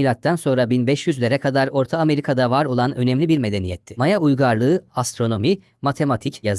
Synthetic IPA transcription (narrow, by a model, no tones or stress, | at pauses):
ilʲat̪ːænso̞nɾabinbɛʃjyzlʲeɾɛkʰad̪aɾo̞ɾt̪ʰaːme̞ɾikʰad̪avaɾo̞lˠanø̞nɛmlʲibiɾme̞d̪e̞nijɛt̪ʰːɪmajaujɡaɾlˠɯːast̪ɾo̞no̞mi | mat̪ʰe̞mat̪ʰicjaz